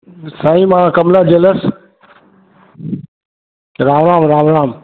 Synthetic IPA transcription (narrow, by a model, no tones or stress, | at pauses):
saːĩːmãːkəmlaːd͡ʒeləs | ɾãːʋɾãːmɾaːʋɾãːm